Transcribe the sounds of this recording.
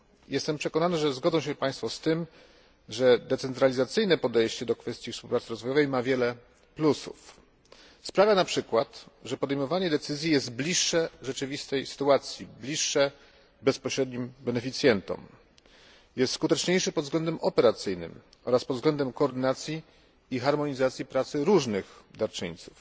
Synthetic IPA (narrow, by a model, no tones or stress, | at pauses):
jɛst̪ɛmpʂɛkɔnanɘʐɛzɡɔd̪zɔ̃ɕ̬ɛpaj̃st̪fɔst̪ɘm | ʐɛd̪ɛt̪sɛnt̪ɾalʲizat̪sɘjnɛpɔd̪ɛjɕt͡ɕɛd̪ɔkfɛst̪ʲjifspuwpɾat̪sɾɔzvɔjɔvɛjmavʲjɛlɛ | plusṵf | spɾavʲjanapʂɘkwat̪ʐɛpɔd̪ɛjmɔvaɲɛd̪ɛt̪sɘzʲjijɛzt̪blʲiʂːɛʐɛt͡ʂɘvʲist̪ɛjsɘ̥t̪uat̪sʲjiblʲiʂːɛ | bɛspɔɕɾɛd̪ɲimbɛnɛfʲit̪sʲjɛnt̪ɔ̰m | jɛst̪skut̪ɛt͡ʂɲejʂɘpɔd̪zɡlɛnd̪ɛmʔɔpɛɾat̪sɘjnɘ̰m | ɔ̰ɾaspɔd̪zɡlɛnd̪ɛmkɔːɾd̪ɘnat̪sʲjiː | xaɾmɔɲizat̪sʲjipɾat̪sɘɾuʐnɘxd̪aɾt͡ʂɘ̰ɲt̪su̥f